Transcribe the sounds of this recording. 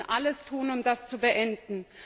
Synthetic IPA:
ʔaləstʰuːənʊmd̥ast͡subəʔɛndn̩

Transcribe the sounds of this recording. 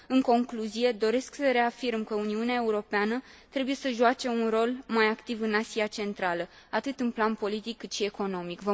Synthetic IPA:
ɨŋko̞ŋkluzije̞d̪o̞ɾe̞sksəɾe̞afirmkəuniuneae̞uɾo̞peanət̪ɾe̞buje̞səʒuat͡ʃe̞unro̞lmajakt̪ivɨnasiat͡ʃe̞nt̪ɾalə | at̪ɨt̪ɨnplanpo̞lit̪ikːɨt̪ʃie̞ko̞no̞mikvə

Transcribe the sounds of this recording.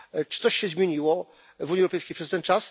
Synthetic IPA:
t͡ʂɨ̥ɔɕɕɛzmʲjeɲiwɔ | vuɲiɛwɾɔpɛjskʲejpʂɛst̪ɛnt͡ʂas

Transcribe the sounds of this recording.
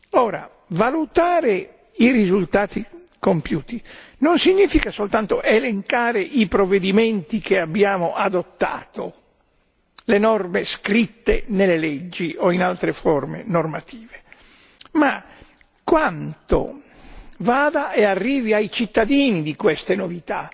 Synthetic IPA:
ɔːɾa̰ | valut̪aːɾe | irizult̪aːt̪i | kompjuːt̪inonsiɲːiːfikasolt̪ant̪oʔeleŋkaːɾeʔipɾovːed̪iment̪ikeabːjaːmoʔad̪ot̪ːa̰ːt̪o | lenɔrmeskɾit̪ːḛnelːeled͡ʒːiʔoinalt̪ɾefɔrmḛnormat̪ʰiːve | ma | kwant̪o̰ | vaːd̪aɛarːiːviajt͡ʃit̪ːad̪iːnid̪ikwest̪enovit̪a

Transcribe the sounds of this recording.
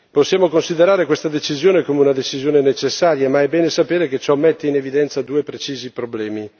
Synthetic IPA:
posːjaːmokonsid̪eɾaːɾekwest̪ad̪et͡ʃizjoːnekoːmeunad̪et͡ʃizjoːnenet͡ʃesːaːɾjamaɛbɛːnesapeːɾeket͡ʃɔmːɛt̪ːeinevid̪ɛnt̪sad̪uːepɾet͡ʃiːzipɾoblɛːmi

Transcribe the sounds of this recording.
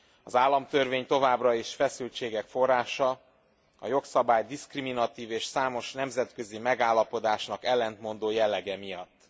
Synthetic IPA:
ɒzaːlːɒmt̪ørveːɲt̪o̞vaːbrɒeːʃfɛsylt͡ʃeːɡɛkfo̞rːaːʃɒ | ɒ̰jo̞ksɒbaːjd̪iskriminɒt̪iːveːʃsaːmo̞ʃnɛmzɛt̪kø̞zimɛɡaːlːɒpo̞d̪aːʃnɒkɛlːɛnt̪mo̞nd̪oːjɛlːɛɡɛmijɒ̰t̪ː

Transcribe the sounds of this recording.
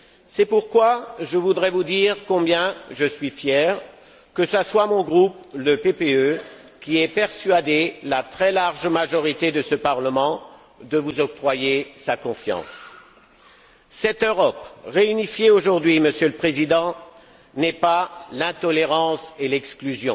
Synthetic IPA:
sɛpuʁkwaʒəvud̪ʁɛvud̪iʁkɔ̃bjɛ̃ʒəsɥifjɛːʁ | kəsaswamɔ̃ɡʁupləpepeø | kʲiɛpɛʁsɥad̪elat̪χɛlaʁʒmaʒɔʁit̪ed̪əsəpaʁləmɑ̃ | d̪əvuzɔp̚t̪χwajesakɔ̃fjɑ̰̃s | sɛt̪øʁɔpʁeynifjeoʒuʁd̪ɥiməsjøləpχezid̪ɑ̃ | nɛpalɛ̃t̪ɔleʁɑ̃selɛksklyzjɔ̰̃

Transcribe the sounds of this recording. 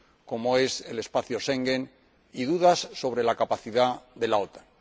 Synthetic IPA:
ko̞moe̞se̞le̞spaθjoʃeŋɡe̞n | iðuðasːo̞β̞ɾe̞lakapaθiðaðe̞laot̪ḁn

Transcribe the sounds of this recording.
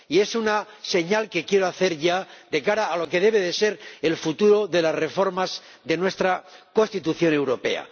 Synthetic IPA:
ie̞sunase̞ɲalke̞kje̞ɾoaθe̞ɾʝad̪e̞kaɾaːlo̞ke̞ðe̞βe̞ðe̞se̞ɾe̞lfut̪uɾo̞ðe̞lazre̞fo̞ɾmaz | ðe̞nwe̞st̪ɾako̞st̪it̪uθjo̞ne̞wɾo̞pe̞̰a̰

